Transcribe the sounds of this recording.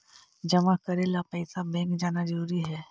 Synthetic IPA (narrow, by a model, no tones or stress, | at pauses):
d͡ʒɐmakɐɾelapɛɪsabɛ̃ːŋkd͡ʒaːnazɐɾuːɾiɦɛː